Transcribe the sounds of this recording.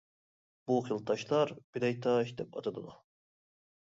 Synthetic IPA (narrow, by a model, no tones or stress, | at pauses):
b̥uqilˠt̪ʰɑʃlˠɑɾbilɛjt̪ʰɑʃd̪ɛpɑ̰t̪ʰɑd̪ɨd̪ɑ